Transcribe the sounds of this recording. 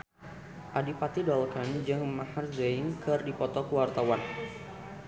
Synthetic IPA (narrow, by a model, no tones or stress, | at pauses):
ʔadipat̪idɔlkand͡ʒɨŋmaharzeɪnkɨrdipɔt̪ɔkəwart̪awan